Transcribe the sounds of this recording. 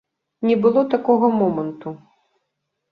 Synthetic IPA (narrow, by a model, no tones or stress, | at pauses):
nʲɛbɨlˠɔt̪akɔɣɐmɔmɐnt̪u